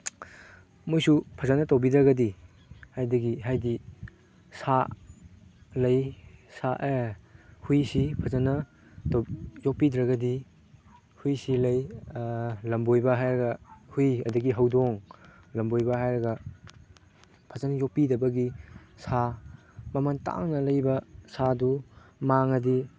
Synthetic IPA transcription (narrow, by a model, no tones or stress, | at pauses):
mojsupʰɐzanɐtawbidɾɐɡɐdi | hajdɐɡiɦajdi | sa | lɐjsaʔehujsipʰɐzanɐ | tjɔk̚pidɾɐɡɐdi | hujsilɐj | lɐmbojbɐɦajɾɐɡɐhujɐdɐɡiɦɐwdɔŋ | lɐmbojbɐɦajɾɐɡɐ | pʰɐzanjɔk̚pidɐbɐɡisa | mɐmanta̰ŋnɐlɐjbɐsadumaŋɐdi